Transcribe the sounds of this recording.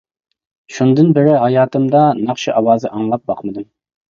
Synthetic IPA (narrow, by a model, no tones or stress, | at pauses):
ʃund̪ɨnbɪɾɪɦɑjɑːt̪ʰɨmd̪ɑnɑχʃiʔɑwɑːzɨʔɑŋlˠɑp̚bɑqmɨd̪ɨm